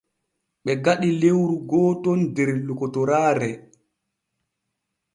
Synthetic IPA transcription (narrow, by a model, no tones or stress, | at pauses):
ɓɛɡaɗilewɾuɡɔːtɔndɛɾlukɔtɔɾaːɾɛ